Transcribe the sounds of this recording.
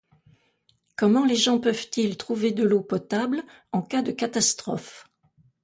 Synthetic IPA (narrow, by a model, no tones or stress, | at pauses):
kɔmɑ̃leʒɑ̃pœvt̪ilt̪χuved̪əlopɔt̪abl | ɑ̃kad̪əkat̪ast̪χɔ̰f